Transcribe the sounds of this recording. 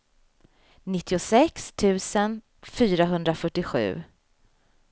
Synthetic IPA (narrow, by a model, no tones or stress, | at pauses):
nɪt̪ʰːɪʊsɛkst̪ʰʉ̟ːsən | fyːɾaɦɵnd̪ɾafœʈːɪɧʉ̟̰ː